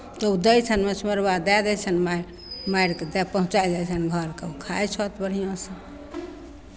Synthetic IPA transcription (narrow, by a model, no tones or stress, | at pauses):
t̪ɔud̪əjt͡ʃʰənmesʰməɾbad̪ɛd̪ɛt͡ʃʰənma | maiɽked̪ɛpəɦũt͡ʃajd͡ʒajt͡ʃʰənɡʱəɾkeukʰajt͡ʃʰɔt̪bəɽ̤ijõsə̃